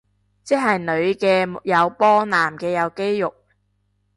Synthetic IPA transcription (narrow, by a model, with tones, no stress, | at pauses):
t͡sɛ˥k̚ɦɐ˨jnɵ˨˧ɥkɛː˧jɐ˨˧wpɔː˥naː˨˩mkɛː˧jɐ˨˧wke˥jːʊ˨k̚